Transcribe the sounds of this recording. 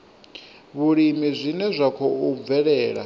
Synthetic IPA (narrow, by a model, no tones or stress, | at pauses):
βuɺimizʷinɛzʷakʰɔub̪vɛɺɛːɺa̰